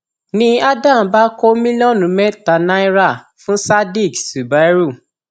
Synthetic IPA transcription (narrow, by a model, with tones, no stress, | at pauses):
nĩ˧˦a˦dã˦˨˦ba˦ko˦mĩ˦li˦ɔ̃˦˨nũ˨mɛ˦ta˨nã˦i˦ɾa˦˨ | fũ˦sa˦di˦˨ksu˨ba˨˦ɾu˦˨